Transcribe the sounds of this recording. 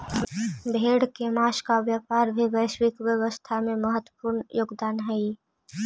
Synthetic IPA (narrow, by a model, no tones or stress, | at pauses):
bʱeːɽkemaːʃkaʋjəpaːɾbʱibəɪʃwɪkʋjəwəst̪ʰamẽməɦət̪wəpuːɾnjoːɡd̪aːnɦɛi